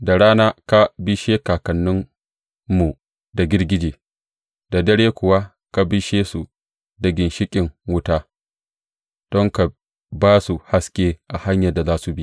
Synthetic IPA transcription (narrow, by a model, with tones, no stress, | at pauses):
da˨ɽaː˦naː˦ka˦bi˦ʃeː˦kaː˨kɐ˨nːʊ˦mː | u˨ | da˨ɡʲɪ˦rɡʲɪ˦d͡ʒeː˨ | da˨dɐ˦ɽeː˦kʷʊ˨wa˦ | ka˨bi˦ʃeː˦su˨ | da˨ɡʲɪ˨nʃɪ˦kʲʼɪ˨ŋwʊ˦taː˦ | d̥ɔ˦ŋka˨ | baː˦su˨ha˦skʲʼeː˦ʔa˨ha˦ɲjɐ˨da˨zaː˦su˨bi˦